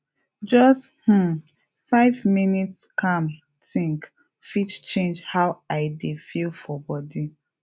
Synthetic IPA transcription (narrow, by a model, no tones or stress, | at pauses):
d͡ʒɔsth̩ | faɪvminitskãm | tĩŋk | fit͡ʃt͡ʃẽnd͡ʒhawaɪdefilfɔbɔdi